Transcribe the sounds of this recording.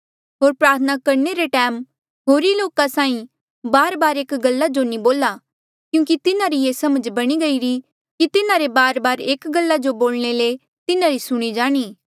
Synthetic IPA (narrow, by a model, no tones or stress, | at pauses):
ɦoːɾpɾaːɾt̪ʰənakɐɾɳeɾeʈɛːm | ɦoːɾiloːkasãːĩ | baːɾbaːɾeːkɡɐlːad͡ʒonĩboːla | kjũːk̬it̪ɪnaɾijeːsɐməd͡ʒbɐɽ̃iɡɐiɾi | kit̪ɪnaɾebaːɾbaːɾeːkɡɐlːad͡ʒoboːlɽ̃ele | t̪ɪnãɾisʊɽ̃id͡ʒaːɽ̃iː